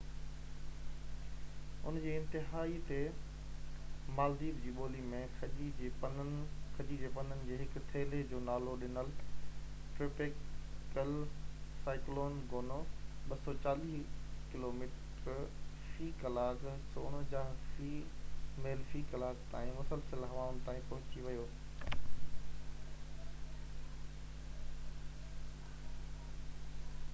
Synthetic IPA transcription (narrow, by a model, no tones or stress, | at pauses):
ʊ̰nd͡ʑiːɪ̃nt̪ɪɦaːit̪e | maːld̪iːbd͡ʑiːɓoːlimẽxɐʄid͡ʑeːpɐnkʰɐd͡ʑid͡ʑeːpɐnənɪ̆d͡ʑeːɦɪkʊt̪ʰeːled͡ʑoːnaːloɗɪnəl | ʈɾɪpekkəlsaːɪkloːnɡoːnoːɓɐsɔt͡ɕaːliːɦkɪloːmiːʈ | ɾ | fiːkɐlaːk | soːɽ̃d͡ʑãːɦfiːmeːlfikɐlaːɡt̪a̰ːĩmʊsəlsəlɦɐʋaːʊn̆t̪ãːĩpɐɦʊ̃t͡ɕiʋɐjoː